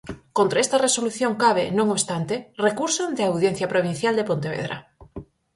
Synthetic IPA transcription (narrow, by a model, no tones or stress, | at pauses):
kont̪ɾaest̪ɐresoluθjoŋkaβenõŋoβst̪ant̪erekuɾsond̪eawðjenθjɐpɾoβin̟θjald̪epont̪eβḛðɾa̰